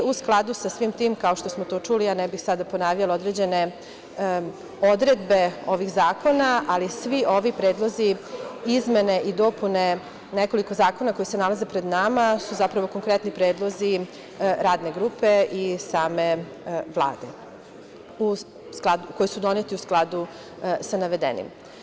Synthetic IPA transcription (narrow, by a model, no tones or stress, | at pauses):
usklˠad̪usasʋiːmt̪iːmkao̞ʃt̪o̞smot̪o̞ːt͡ʂuːlijanɛbixsad̪aponaʋʎalo̞d̪ɾed͡ʑe̞ne | o̞d̪ɾed̪be̞o̞ʋixzaːko̞naʔalisʋio̞ʋipɾeːd̪lˠo̞ziizmene̞ʔid̪o̞ːpune | neko̞liko̞zaːko̞nako̞jisenalaze̞pɾe̞d̪namasuzapɾaʋo̞ko̞ŋkɾet̪nipɾeːd̪lˠo̞zi | ɾaːd̪neɡɾuːpe̞ʔisaːme̞ | ʋlˠa̰ːd̪e | u | sklˠad̪ukojisud̪o̞net̪iusklˠad̪u | sanaʋe̞d̪ḛnḭm